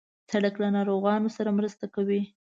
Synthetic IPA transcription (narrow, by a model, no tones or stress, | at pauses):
saɽəklanɑɾoɣɑnosaɾamɾəst̪akawi